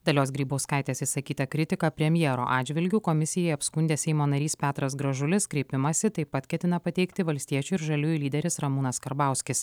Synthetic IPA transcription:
d̪ɐlʲoːsɡɾʲiːboʊskɑˑɪt̪ʲɛɐsʲisɐkʲiːt̪ɐkɾʲɪt̪ʲɪkɐpʲɾʲɛmʲjɛːɾo̰ːʔɑːd͡ʒʲʋʲɪlʲɡʲʊkɔmʲɪsʲɪjɛɪɐpskʊnʲd̪ʲeːsʲɛɪmoːnɐɾʲiːspʲæːt̪ɾɐs̬ɡɾɐʒʊlʲɪskɾʲeɪpʲɪmɐsʲɪt̪ɐɪpɐt̪kʲɛt̪ʲɪnɐpɐt̪ʲɛɪkt̪ʲɪʋɐlʲsʲt̪ʲiɛt͡ʃʲuɪɾʒɐlʲuɪlʲiːd̪ʲɛɾʲɪsɾɐmuːnɐskɐɾbɑˑʊsʲkʲɪs

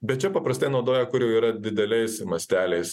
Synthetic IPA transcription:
bʲɛt̪̚t͡ʃʲɛpɐpɾɐst̪ɐɪnɒʊd̪oːjɛkʊɾjɛʊiːɾɐd̪ʲɪd̪ʲɛlʲɛɪsmɐsʲt̪ʲæːlʲɛɪs

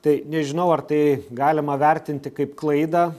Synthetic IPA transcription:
t̪ɐɪnʲɛʒʲɪnɐʊɐrt̪ɐɪɡɑːlʲɪmɐʋʲɛɾʲt̪ʲɪnʲt̪ʲɪkɐɪpklˠɐɪd̪ɑː

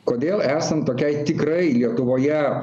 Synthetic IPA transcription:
koːd̪ʲeːlˠæːsɐnt̪oːkʲɛɪt̪ʲɪkɾɐɪlʲiɛt̪ʊʋoːjɛ

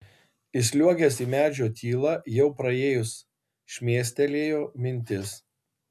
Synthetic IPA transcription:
ɪsʲlʲuɔɡʲɛsiːmʲæːd͡ʒʲoːt̪ʲiːlˠɐjɛʊpɾɐeːjʊs | ʃʲmʲeːsʲt̪ʲɛlʲeːjoːmʲɪnʲt̪ʲɪs

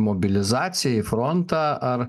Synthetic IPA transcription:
mɔbʲɪlʲɪzɑːt̪sʲɪjɛifɾɔnt̪ɑːɐɾ

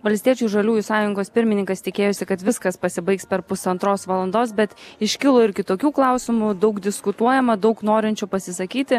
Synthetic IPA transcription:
ʋɐlʲsʲt̪ʲiɛt͡ʃʲuːʒɐlʲuːjʊsɑːjʊŋɡoːspʲɪɾʲmʲɪnʲɪŋkɐst̪ʲɪkʲeːjosʲɪkɐt̪ʋʲɪskɐspɐsʲɪbɐɪkspʲɛɾpʊsɐnt̪ɾoːsʋɐlˠɐnd̪oːsbʲɛt̪ɪʃʲkʲɪlˠoːɪɾʲkʲɪt̪oːkʲuːklˠɑˑʊsʲɪmʊd̪ɐʊɡd̪ʲɪskʊt̪uɔjɛmɐd̪ɐʊknoːɾʲɪnʲt͡ʃʲupɐsʲɪsɐkʲiːt̪ʲɪ

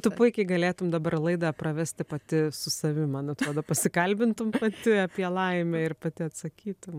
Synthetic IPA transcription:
t̪ʊpʊɪkʲɪɡɐlʲeːt̪ʊmd̪ɐbɐrlˠɐɪd̪ɐprɐʋʲæsʲt̪ʲɪpɐt̪ʲɪsʊsɐʋʲɪmɐnɐt̪ɾoːd̪oːpɐsʲɪkɐlʲbʲɪnt̪ʊmpɐt̪ʲɪɐpʲiɛlˠɐɪmʲɛɪrpɐt̪ʲɪɐt̪sɐkʲiːt̪ʊm

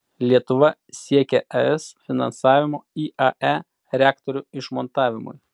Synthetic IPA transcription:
lʲiɛt̪ʊʋɐsʲiɛkʲɛʔɛɛsfʲɪnɐ̰nsɑːʋʲɪmoːiːʔɐʔæ | ɾʲæːkt̪ɔɾʲʊɪʃmɔnt̪ɑːʋʲɪmʊ̰j

